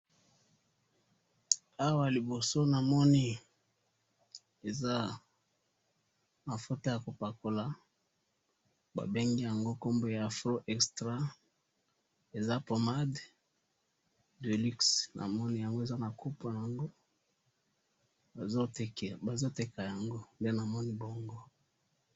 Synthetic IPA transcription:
a˦wa˦li˨bo˨so˦na˨mɔ˦ni˦ | e˨za˦ | ma˨fo˦to˦ja˨ko˨pa˨ko˨la˨ | ba̰˨be˦ŋɡi˦ja˨ŋɡo˦ko˦mbo˦ja˨fʁo˦ʔɛ˨kstʁa˦ | e˨za˦po˨ma˦d | de˨li˦ksnʔa̰˨mɔ˦ni˦ja˨ŋɡo˦e˨za˦na˨ku˦po˨na˨ŋɡo˦ | a˨o˦˨ba˨zo˦te˨ka˨ja˨ŋɡo˦nde˦na˨mɔ˦ni˦bo˦ŋɡo˦

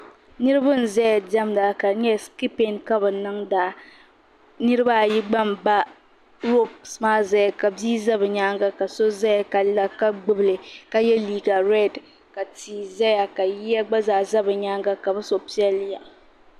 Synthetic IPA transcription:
nɨ˦ɾɨ˦bʊ˦n̩˨zɛ˦ja˨dɛ˦mda˨ka˨ɲɛ˦ski˦pe˦nka˦bɨ˨nɨ˦ŋda˨ | nɨ˦ɾɨ˦ba˦˨ji˦ɡ͡ba˦mba˦ | ɾo˦psmaː˦za˦ja˨ka˨biː˦za˦bɨ˨ɲaː˦ŋɡa˦ka˨so˦za˦ja˨ka˨la˦ka˦ɡ͡bɨ˦bɨ˨lɨ˨ka˨jɛ˦liː˦ɡa˨ɾɛ˦d | ka˨tiː˨za˦ja˨ka˨ji˦ja˦ɡ͡ba˦zaː˨za˦bɨ˨ɲaː˦ŋɡa˦ka˨bɨ˦so˨pi˦ɛ˦lɪ˦ja˨

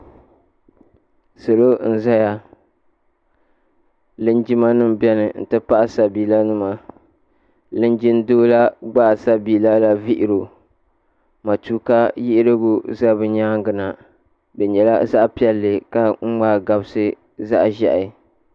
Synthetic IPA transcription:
so˨lo˦n̩˨za˦ja˨ | lɨ˦n˦d͡ʒi˦ma˦nɨ˦m˨bɛ˦nɨ˨n̩̰˨tɨ˦pa˦ʔa˨sa˨biː˨la˦nɨ˦ma˨ | lɨ˦nd͡ʒi˦n˦doː˦la˦ɡ͡ba˦˨sa˦biː˨la˦la˨vi˦ʔɪ˨ɾo˨ | ma˨tuː˦ka˦jɪ˦ʔɪ˦ɾɨ˦ɡʊ˦za˦bɨ˦ɲaː˦ŋɡɨ˨na˨ | bɛ˨ɲɛ˨la˦za˦ʔpi˦ɛ˦lːɨ˨ka˦ŋ͡m̩˦ŋ͡maː˦˨ɡa˦bɨ˦sɨ˦ | za̰˦ʔʒɛ̰˨ʔa˨

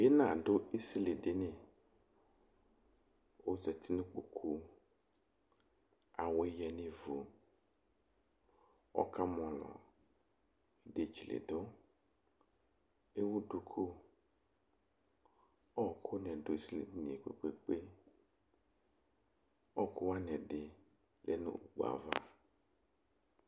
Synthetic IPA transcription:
je˦nã˨dʊ˦i˦si˦lɪ˨dɪ˦nɪ̃˨ | o˦zɛ˨t̪ʰɪ˦nʊ̃˦k͡po˨kʰu˦ | a˨wjɛ˨nɪ̃˦vu˨ | ɔ̰˦kʰa˦m˨ɔ̃˨lɔ̰˨ | de˦˨t͡ʃi˨lḛ˨dʊ˦ | e˦wu˦du˨kʰo˦ | ɔ˦˨kʰo˦nɛ̃˨do˨˦i˦˨si˦lḛ˨ni˦nĩ˨e˨k͡pḛ˨k͡pe˦k͡pe˦ | ɔ˦ko˦wa˦nɛ̃˨ɖe˨ | lʔḛ˨nṵ̃˦ṵ˨ɡ͡b̰a̰˨va̰˦

